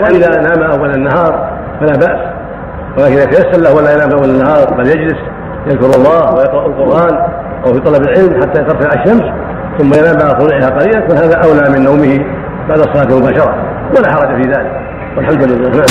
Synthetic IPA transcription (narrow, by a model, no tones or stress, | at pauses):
laʔɪðanaːmaʔawːalanːaɦɑːɾˤ | falaːbaʔs | walaːkɪnjat̪ajasːalahwʔalːajanaːmfʔawːalanːahɑːɾˤbaljad͡ʒlɪs | jaðkʊɾɑlˤːɑːhwajɑqɾˤɑʔalqʊɾʔaːn | ʔawfit̪ˤɑlɑbɪlʕɪlmħat̪ːajat̪ɑɾˤsamʕaaʃːams | θʊmːajanaːmbaʕsˤʊnuːʕɪhaqɑɾiːlanfahaːðaʔawlamɪnːawmɪhɪ | baʕd̪ɑsˤːɑlɑːt̪lmʊbaːʃɑɾˤɑ | walaħɑɾˤɑd͡ʒafiðaːlɪk | walħamd̪ɪlɪlːaːhnaʕ